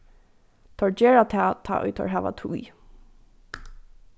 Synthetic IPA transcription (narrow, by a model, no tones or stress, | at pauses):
t̪ʰɔɹd͡ʒɛːɹat̪ʰaːt̪ʰa̰ːʔɔ̰jt̪ʰɔ̰ɹɦæːʋa̰t̪ʰṵj